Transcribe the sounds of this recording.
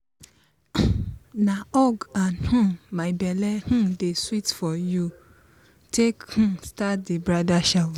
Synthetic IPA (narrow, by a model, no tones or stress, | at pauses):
nãɔɡanhũmaɪbɛlɛhũdeswitfɔju | tʰekhũstat̚debɹadaʃa